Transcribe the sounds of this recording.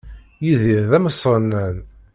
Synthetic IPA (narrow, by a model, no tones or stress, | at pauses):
jiðiɾðæməsˤnːən